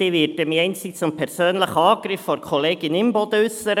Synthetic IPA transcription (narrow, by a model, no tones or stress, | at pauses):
iʋɪɾdəmiɛɪnsit͡sʊmpʰɛɾsøːnləχɑːɡɾɪfːɔɾkʰɔleːɡɪnɪmbɔd̪əʏsəɾə